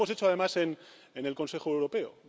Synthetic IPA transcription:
o̞set͡ʃoaðe̞mase̞n | ene̞lko̞nse̞xoewɾo̞pe̞o̰

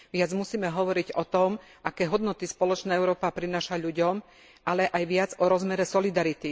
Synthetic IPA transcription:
ʋɪad͡zmusiːmɛɦɔʋɔɾiɟɔt̪ɔm | ʔakɛːɦɔd̪nɔt̪ispɔlɔt͡ʃnaːɛʊɾɔːpapɾinaːʃaʎuɟɔm | ʔalɛʔajʋɪad͡zɔɾɔzmɛɾɛsɔlid̪aɾit̪i

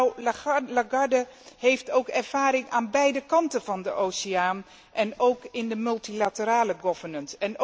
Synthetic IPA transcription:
wlaɡɑdə | hejftowkɛrv̥aːɾɪŋʔaːnbɛjdəkɑntənv̥ɑndəʔowseaːn | ʔɛnowkɪndəmɵlˠtilatəɾaːləɡɔv̥ənəntɛn

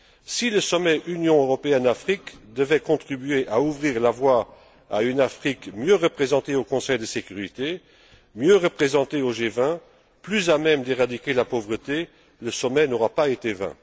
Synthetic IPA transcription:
siləsɔmɛʔynjɔ̃øʁɔpeɛnafχikd̪əvɛkɔ̃t̪χibyeʔauvʁiːʁlavwa | a̰ynafχikmjøʁəpχezɑ̃t̪eokɔ̃sɛjd̪əsekyʁit̪e | mjøʁəpχezɑ̃t̪eoʒevɛ̃ | plyzamɛmd̪eʁad̪ikʲelapovʁət̪e | ləsɔmɛnoʁapaet̪evɛ̰̃

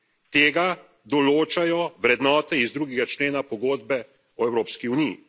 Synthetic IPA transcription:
t̪eːɡa | d̪ɔloːt͡ʃajɔʋɾɛd̪nɔːt̪ɛizd̪ɾuːɡɛɡat͡ʃleːnapɔɡoːd̪bɛ | ɔɛwɾoːpskiunijḭ

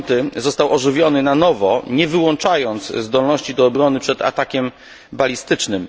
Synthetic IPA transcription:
t̪ɘzɔst̪awʔɔʐɘvʲjɔnɘnanɔvɔɲɛvɘwɔnt͡ʂajɔnt̪szd̪ɔlnɔɕt͡ɕid̪ɔːbɾɔnɘpʂɛt̪a̰t̪akʲɛm | balʲist̪ɘt͡ʂnɘm

